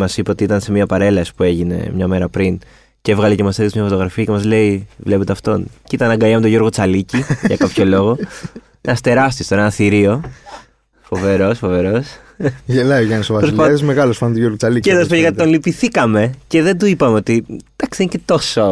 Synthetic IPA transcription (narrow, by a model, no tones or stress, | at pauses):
mɐsipeot̪iit̪ɐnse̞miɐpɐɾe̞lɐsi̥pue̞ʝine̞̰mɲɐme̞ɾɐpɾin | ce̞vɣɐlecemɐselismɲɐfot̪oɣɾɐfiɐcemɐzle̞ivle̞pet̪eɐft̪o̞̰ncit̪ɐnɐŋɡɐjɐmet̪oʝo̞ɾɣo̞t͡sɐliciʝɐkɐpço̞lo̞ɣo̞ | nɐst̪e̞ɾɐst̪ist̪oeenɐθiɾio̞ | fove̞ɾo̞sfo̞ve̞ɾo̞s | ʝelɐiʝɐnsovɐsposiɐsmeɣɐlosfɐnt̪ujoɾɣot͡sɐliceðospjekɐt̪it̪onlipiθikɐme̞ce̞ðend̪uipɐmeot̪id̪ɐksi̥ðencet̪o̞so